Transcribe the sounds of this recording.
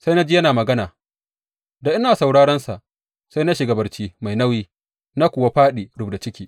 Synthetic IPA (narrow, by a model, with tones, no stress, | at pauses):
sa˦jna˦d͡ʒi˦jɐ˦naː˨mɐ˨ɡɐ˦naː˨ | da˨ʔɪ˦naː˨sa˨wɽaː˦ɽɐ˦nsa˨ʔ | sa˦jna˦ʃi˨ɡɐ˨bɐ˨rt͡ʃiː˦ma˨jnɐ˦wiː˦ | na˦kʷʊ˨wa˦ɸaː˦ɗiː˨ɽʊ˦bda˨t͡ʃɪ˦kʲiː˦